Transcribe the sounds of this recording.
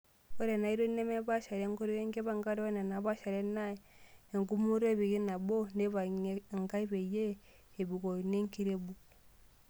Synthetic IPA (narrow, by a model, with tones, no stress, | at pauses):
o˦ɾe˨na˨i˦ɾo˦ne˦me˦ba˦ʃa˨ɾe˦ŋɡo˦ɾi˦e˦ŋɡe˦βa˦ŋɡa˦ɾo˦ne˨na˨˦ba˦ʃa˨ɾe˦na˦i˨e˨ŋɡu˦mu˦ɾo˦e˦˨bi˨ɡi˦na˨bo˦ne˦βa˨˦˨ŋɡa˦i˦be˨je˦ | e˨bu˨ko˨ne˦ŋki˦ɾe˦bu˨